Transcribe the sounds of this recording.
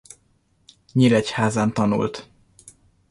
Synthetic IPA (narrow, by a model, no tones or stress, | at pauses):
ɲiɾɛchaːzaːnt̪ɒnṵlt̪